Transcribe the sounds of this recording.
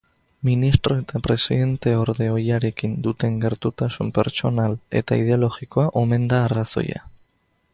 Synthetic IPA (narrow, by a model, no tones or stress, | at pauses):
minist̪ɾo̞e̞t̪apɾe̞siðe̞nt̪e̞o̞ɾðe̞o̞jaɾe̞kind̪ut̪e̞ŋɡe̞ɾt̪ut̪asumpe̞̰ɾt͡ʃo̞nale̞̰t̪aið̞e̞olo̞ɣiko̞aʔo̞me̞nd̪aːraso̞̰ja̰